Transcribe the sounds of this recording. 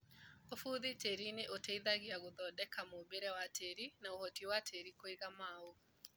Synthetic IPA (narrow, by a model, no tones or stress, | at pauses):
ofuːðiteɾineʔoteiðaɣiaɣoðɔdɛkamoːbeɾɛwatʰeɾinaohɔtiwatʰeɾikoiɣamao